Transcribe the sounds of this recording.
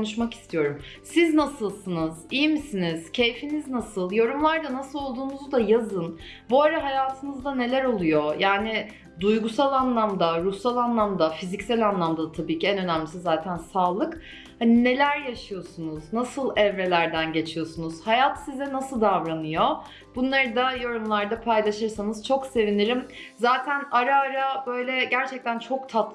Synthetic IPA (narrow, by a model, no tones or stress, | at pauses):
nuʃ̬maki̥st̪ʰijo̞ɾumsiznasɯlˠsɯnɯzijmisiniz̥cʰe̞jfiniznasɯlˠjo̞ɾumlˠaɾd̪anasɯlˠo̞lˠd̪uːnuzd̪ajazɯn | buaɾaɦajaːt̪ʰɯnɯzd̪ane̞lʲæɾo̞lˠujojaːnɪ | d̪ujɡusalˠanlˠamd̪aɾusalˠanlˠamd̪afizicsælʲanlˠamd̪ad̪t̪ʰabiːciɛnø̞næmlʲisizaːt̪ʰænsaːlˠɯk | hanine̞lʲæɾjaʃɯjo̞sunuznasɯlˠɛvɾe̞lʲæɾd̪ænɟe̞t͡ʃʰijo̞sunuz̥hajat̪sizɛnasɯlˠd̪avɾanɯjo̞ | b̥unlˠaɾɯd̪ajo̞ɾumlˠaɾd̪apʰajlˠaʃɯɾsanɯzt͡ʃʰo̞kse̞viniɾimzaːt̪ʰænaɾaːɾabø̞jlʲɛɟæɾt͡ʃʰɛc̚t̪ʰænt͡ʃʰo̞k̚t̪ʰat̪